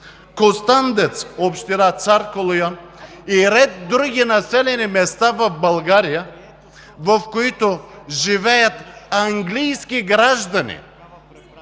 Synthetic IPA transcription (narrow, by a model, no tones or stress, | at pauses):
kost̪and̪ɛt̪sopʃt̪iɾat̪saɾkolˠojan | iɾɛd̪ːɾuɡʲinasɛlɛnimɛst̪avobalˠɡaɾija | vofkoit̪oʒivɛjat̪aŋɡlijskiɡɾaʒd̪anḭ